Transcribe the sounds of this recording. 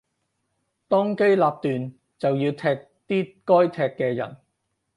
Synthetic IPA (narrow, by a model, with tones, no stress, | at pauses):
t̪ɔː˥ŋke˥jlaː˧p̚t̪yː˨n | t͡sɐ˨wjiː˧wt̪ʰɛː˧k̚t̪iː˥kɔː˥jt̪ʰɛː˧kːɛː˧jɐ̰˨˩n